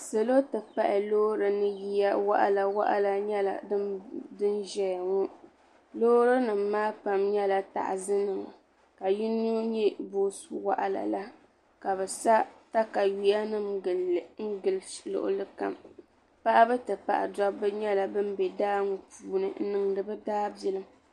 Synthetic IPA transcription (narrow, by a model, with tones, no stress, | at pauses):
se˨lo˦tɨ˨pa˦ʔɪ˨loː˦ɾɨ˨nɨ˦ji˦ja˦wa̰˦ʔa̰˦la˨wa̰˦ʔa̰˦la˦ɲɛ˦la̰˨˦dɨ˦nʒɛ˦jŋu˦ | loː˦ɾɨ˦nɨ˨m̩ː˦aː˦pa˨mɲɛ˦la˦ta̰˨ʔzɨ˦nɨ˨ŋa̰˨ | ka˨ji˦n˦o˦ɲɛ˦boː˦su˨wa̰˦ʔa˨la̰˨la˦ | ka˨bɛ˨sa˦ta˦ka˨ɥi˨ja˦nɨ˦mɨ˨lŋ̩˦ɡɨ˨llʊ̰˨ʔʊ̰˦lɨ˦ka̰˨m | pa˦ʔa˦bɛ˦tɨ˨pa̰˨ʔa̰˨dɔ˦bɨ˦ɲɛ˦la˨bɨ˦mbɛ˨daː˦ŋu˨pʰuː˨nɨ̰˦n̩˦nɨ˨ŋdɨ˨bɛ˦daː˦bjɛ˦lɨ˦m